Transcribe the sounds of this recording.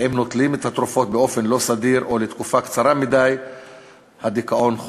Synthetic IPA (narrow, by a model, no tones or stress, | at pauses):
hemno̞tlimet̪hat̪ɾufo̞t̪̚beo̞fe̞nlo̞sad̪iɾʔo̞let̪kufakt͡saɾamid̪aj | had̪ikaʔo̞nχ